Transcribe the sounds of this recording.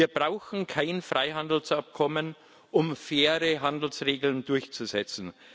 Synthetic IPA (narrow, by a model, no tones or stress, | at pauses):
iːɐbʁaʊçn̩kʰaɪnfʁ̥aɪɦandl̩sʔap̚kʰɔmən | ʔʊmfeːɐʁəɦandl̩sʁeːɡl̩ndʊɐçt͡suzɛt͡sn̩